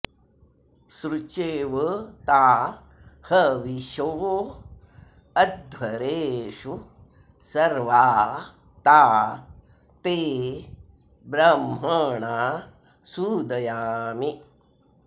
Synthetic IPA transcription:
sɾut͡ʃeːʋɐt̪aː | hɐʋiʃoʋo | ɐd̪̚ʋɐɾeːʂu | sɐɾʋaː | t̪aː | t̪eː | bɾɐmɦɐɳaː | sud̪ɐjaːmi

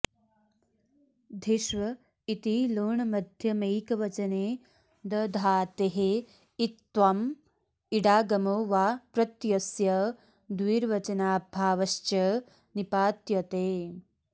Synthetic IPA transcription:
d̪ʱiʃʋɐ | it̪iloːɳɐmɐd̪ʱjɐmejkɐʋɐt͡ʃɐneː | d̪ɐd̪ʱaːt̪eɦe | it̪ʋam | iɽaːɡɐmoːʋaːpɾɐt̪jɐsjɐ | d̪ʋiːɾʋɐt͡ʃɐnaːbʱaːʋɐʃt͡ʃɐ | nipaːt̪jɐt̪eː

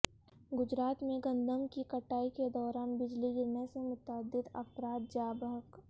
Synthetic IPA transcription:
ɡʊd͡ʒɾaːt̪mẽɡɐ̃nd̪ʱəmkikɐʈaːiked̪ɔːɾaːnbɪd͡ʒliɡɪɾnesemʊt̪aːd̪ɪt̪ɐ̰pɾaːt̪̚d͡ʒaːbəɦək

